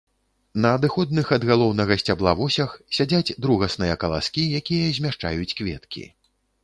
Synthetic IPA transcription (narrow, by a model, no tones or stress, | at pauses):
nɐːd̪ɨxɔd̪̚nɨxɐd̪ɣalˠɔwnɐɣɐsʲt͡sʲablˠavɔsʲɐxsʲad͡zʲad͡zʲd̪ɾuɣɐsnɨjɐkɐlˠa̰skʲijakʲijɐzʲmʲaʂt͡ʂa̰jut͡sʲkvʲɛ̰t̪kʲḭ